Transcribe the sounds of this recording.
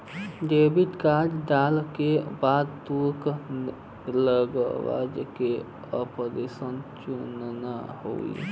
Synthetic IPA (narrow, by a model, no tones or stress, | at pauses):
ɖebit̪kad͡ʒɖalkebad̪̚t̪uɾk | ləɡwa̰d͡ʒke | əpəɾesənt͡ʃunnaho̰ḭ